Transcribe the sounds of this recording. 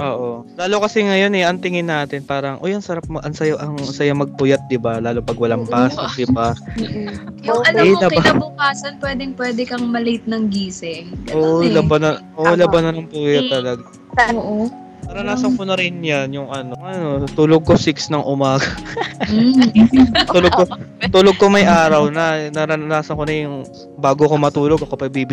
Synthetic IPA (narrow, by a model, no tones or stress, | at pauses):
ʔoːʔo̞laːlokɐsɛŋɐjo̞nɛʔɐŋt̪ɪŋɪnːaːt̪ɪnpaːɾɐŋʔojɐŋsɐɾap̚mɐʔɐŋsɐjaʔɐŋsɐjamɐɡ̚pʊjɐt̪̚d̪ɪbalaːloŋpɐɡwɐlaŋpaːsɐd̪ɪba | jʊɐnɛmlɐkɪanabʊkaːsɐnpwɛːd̪ɛŋpwɛːd̪ɛkɐŋmɐlejt̪̚nɐŋɡiːsɛʔoːʔʔolɐbɐnɐoʔolɐbɐnɐnɐŋpuːjɐt̪ːɐlɐɡa | oʔo | nɐɾɐnaːsɐnkonɐɾɪnjanjʊŋʔɐnoɐno̞t̪uloɡ̚kosiksnɐŋʔʊmaːɡɐ | t̪uloɡ̚kːo | t̪uloɡ̚komɐjʔaːɾɐwnɐnɐɾɐnnaːsɐnkonɐjʊŋ | baːɡokomɐt̪uːloɡ̚ɐkopɐɡ̚bibɪ